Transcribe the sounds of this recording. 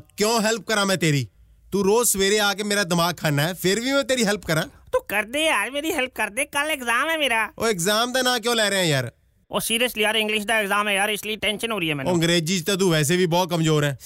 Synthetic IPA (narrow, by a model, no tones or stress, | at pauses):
kjõːɦɛlp̚kəɾãːmɛ̃ːt̪eːɾiː | t̪uːɾoːsʋeːɾeːaːkeːmeːɾaːd̪ɪmaːɡ̚kʰaːnaːɛːpʰɪɾʋiːmɛ̃ːt̪eːɾiːɦɛlp̚kəɾãːt̪uːkəɾd̪eːaːɾmeːɾiːɦɛlp̚kəɾd̪eːkəleːkzaːmɦɛːmeːɾaːoːɪkzaːmd̪aːnãːk̬jõːlɛːɾeːɛ̃ːjaːɾ | o̰ːsiːɾjəsliːaːɾɪ̃ŋɡlɪʃd̪aːɪkzaːmɦɛːjaːɾɪsliʈɛ̃ːnʃənɦoːɾiːɦɛːmɛ̃ːnə̃ŋɡɾeːd͡ʒiːd͡ʒt̪ãːt̪̬uːʋɛːs̬eːbʱiːbɔːt̪̚kəmzoːɾɦɛː